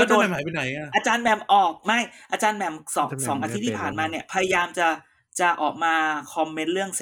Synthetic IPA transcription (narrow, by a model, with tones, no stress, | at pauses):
do˥˨ɛ˧mhaː˨˦pi˧na˩˦ja˧ʔaː˧t͡ɕaː˧nmɛ˨˩mʔɔː˨˩k̚ma˥˩jʔaː˧t͡ɕaː˧nmɛ˧˩msɔː˩˦sɔː˩˦ŋʔaː˧t̪ʰi˦˥t̪ʰiː˥˧˩pʰaː˨˩nmaː˧ni˦˥˩ɐpʰa˧ja˧jaː˧mt͡ɕa˨˩ | t͡ɕa˨˩ʔɔː˨˩k̚maː˧kʰɔ˧mːe˦˥nɾɯ˥˩əŋse˨˩